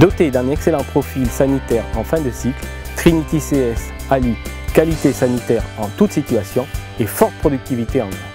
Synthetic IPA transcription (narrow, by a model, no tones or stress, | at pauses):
d̪ɔt̪ed̪ɛ̃nɛkselɑ̃pχɔfilsanit̪ɛʁɑ̃fɛ̃d̪əsikl | t̪χinit̪iseɛsalikalit̪esanit̪ɛʁɑ̃t̪ut̪sit̪yasjɔ̃efɔʁt̪̚pχɔd̪yk̚t̪ivit̪eɑ̃nɛ̃